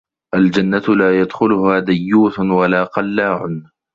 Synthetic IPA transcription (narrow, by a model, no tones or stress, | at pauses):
ʔald͡ʒanːat̪laːjad̪xʊlʊhaːd̪ajːuːt̪ʊnwalaːqɑlːaːʕʊn